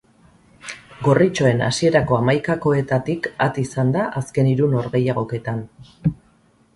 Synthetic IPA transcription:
ɡo̞rit͡ʃo̞e̞na̰sie̞ɾako̞amajkako̞e̞t̪at̪ikat̪isand̪aʔaske̞niɾuno̞ɾɣe̞jaɣ̞o̞ke̞t̪an

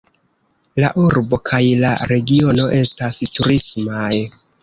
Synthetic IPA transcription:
la̰ʔuɾbo̞kʰajlaɾe̞ɡio̞no̞ʔe̞stastuɾismaj

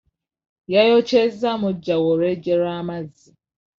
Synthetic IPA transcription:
jajot͡ʃezamʊd͡ʒawoɾed͡ʒeɾamazi

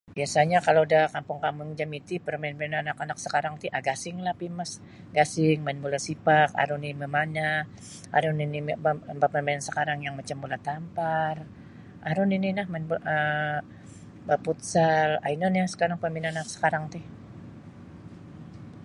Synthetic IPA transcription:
biasaɲakalodahkampʊŋkamʊŋd͡ʒamit̪ipəɾmanmɛnanakanak̚sə̥kaɾaŋt̪iʔaɡasɪŋlapimas | ɡasɪŋmanbulasipaka̰ɾʊniiməmaɲa | a̰ɾʊninibabapərmansəkaɾaŋjaŋmat͡ʃambulaht̪ampar | ʔaɾʊnininahmanbʔə | baput̪sala̰inənjasə̥kaɾaŋpərminanak̚sə̥kaɾaŋt̪ih

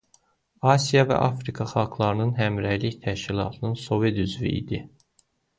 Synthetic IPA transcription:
ɑsijɑvæ̰ʔɑfɾikʰɑχɑlˠkʰlˠɑɾɯnɯnɦæmɾæjliçt̪ʰæʃcilˠɑ̰ːt̪ʰɯnɯnso̞ved̪yzvḭʔḭd̪i

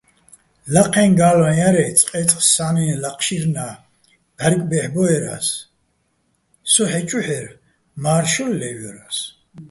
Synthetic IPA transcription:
laqʰɛ̃nɡaːlɔjaɾɛt͡sʼqʼɛt͡s̪ʼχssanɛlaqʰʼʃiɾna | bɛɾkʼbɛħbɔɛɾa̰s | sɔħɛt͡ʃʼuħɛɾ | maːɾʃɔllɛvjɔɾas

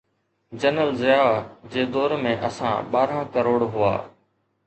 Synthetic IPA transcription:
d͡ʑənəlzɪjaːd͡ʑeːd̪ɔːɾmẽʔɐsã̰ɓaːɾãkəɾoːɽɦʊa̰ː

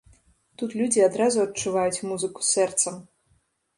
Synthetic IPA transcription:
t̪ut̪lʲud͡zʲiad̪ɾazuɐtt͡ʂːuvajut͡sʲmuzɨku̥sɛrt̪sɐm

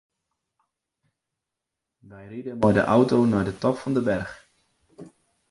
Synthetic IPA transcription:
ʋɛjridənmaːɹdə̰ʔʌwtownaːɹdətɑpfɑndəbɛrχ

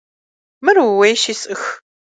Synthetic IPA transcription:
mɨruwejʃisʼɨx

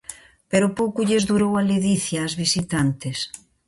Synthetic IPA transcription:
peɾʊpowkʊʎezðuɾowaleðiθjaːzβisit̪ant̪ɪs

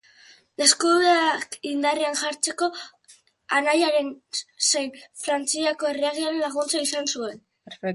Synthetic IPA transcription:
eskuβeakind̪arianʝaɾt͡se̞ko̞ | anajaɾe̞nsejnfɾant͡siako̞e̞riaɣiaɾenlaɣ̞unt͡saisansue̞n

